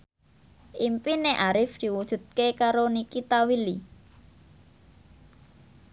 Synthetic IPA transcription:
ʔimpineʔaɾɪfd̪̥i̤wud̥ʒ̥ṳt̪̚kekaɾonikit̪awili

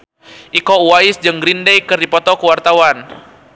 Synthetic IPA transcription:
ʔikɔuwaɪsd͡ʒɨŋɡɾindɛjkɨrdipɔt̪ɔkəwart̪awan

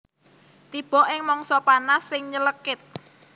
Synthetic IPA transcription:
t̪ib̥ɔ̤ʔɪŋmɔŋsɔpanasːɪŋɲələkɪt̪̚

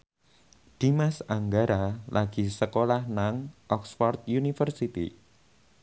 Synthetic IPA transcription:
d̪̥imasaŋɡaɾalʔaɡ̥isəkolahnaŋʔɔksfɔrt̪̚junifərsit̪ḭ

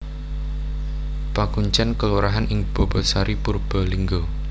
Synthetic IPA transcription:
pakuɲt͡ʃankəluɾaɦanʔɪŋb̥ɔ̤bɔsaɾipurb̥ɔ̤liŋɡo

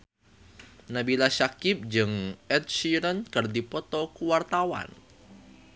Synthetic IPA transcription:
nabilasakɪp̚d͡ʒɨŋʔɛt̪̚ʃiɾənkərd̪ipɔt̪ɔkuwart̪awa̰n

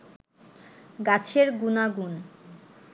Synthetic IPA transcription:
ɡat͡ɕʰeɾɡunaɡun

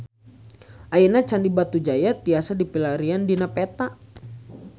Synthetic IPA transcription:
ʔainat͡ʃandibat̪ud͡ʒajat̪̚iasadipilaɾiandinapɛt̪a

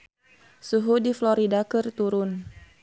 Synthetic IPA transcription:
suɦudiflɔɾidakɨrt̪uɾʊn

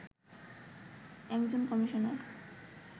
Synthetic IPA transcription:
ɛkd͡ʑonkɔmiʃone

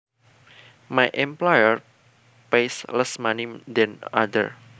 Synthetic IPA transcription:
majʔɛ̃mplajər | pejsləsmanidɛ̃na̰də̰r

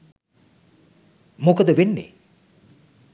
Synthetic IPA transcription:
mokəd̪əʋenːḛ

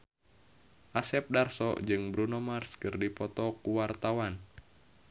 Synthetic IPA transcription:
ʔasɛp̚darsɔ̰d͡ʒɨŋbɾunɔmarskɨrdipɔt̪ɔkuwart̪awan

